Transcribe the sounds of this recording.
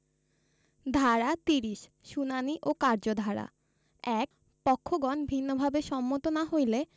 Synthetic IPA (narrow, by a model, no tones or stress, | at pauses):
d̪ʱaɾat̪iɾiʃ | ʃunaniʔokaɾd͡ʑod̪ʱaɾa̰ | ɛk | pɔkʰːoɡɔnbʱinːobʱabeʃɔmːot̪onaɦojle